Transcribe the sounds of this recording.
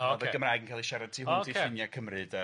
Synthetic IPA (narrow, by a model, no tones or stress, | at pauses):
oɔvəɡəmraɨɡənkʰalˠiʃɛɾad̚tʰiːɦʊiefɪnjakʰəmrɨdə